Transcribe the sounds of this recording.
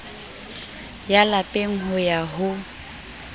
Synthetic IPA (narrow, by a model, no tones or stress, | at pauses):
jalapʼeŋ̩ɦʊjaɦʊ